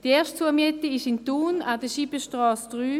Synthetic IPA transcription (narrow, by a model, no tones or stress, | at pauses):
d̥ieːɐʃtt͡suəɐmiɛt̪iɪʃɪnt̪uːnadəʃibəʃtʁɔːsd̥ʁyː